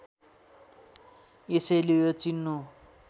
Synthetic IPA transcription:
esʌjlejot͡sinːu

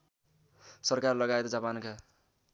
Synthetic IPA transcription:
sʌrkarlʌɡaet̪d͡zapanka

